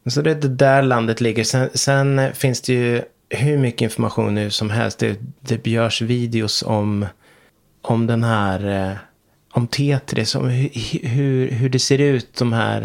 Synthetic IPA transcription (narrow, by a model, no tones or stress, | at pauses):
sɔd̪ɛd̪ɛd̪æɾland̪ət̪lɪɡːəɾsɛnsɛnfɪnsd̪ɛjɵ | ɦɵɾmʏkːəɪnfɔɾmaɧṵːnːʉ̟ːsɔmɦɛ̰lst̪d̪ɛd̪ɛbjœːʂviːd̪ɪʊsɔm | ʔɔmd̪ɛnɦæːɾ | ɔmt̪ʰeːt̪ʰɾʔɪ̰sɔ̰mhɦɵɾɦɵɖɛseːɾʉ̟ːt̪̚d̪ɔmɦæ̰ːɾ